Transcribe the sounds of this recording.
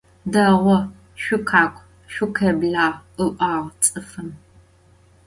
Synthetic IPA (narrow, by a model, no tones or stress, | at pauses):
dɐʁʷɔ | ʃʷʊkʰaːkʷʰʼ | ʃʷʊkʰɐbɮaːɨʔʷaːʁt͡sʼɨfɨm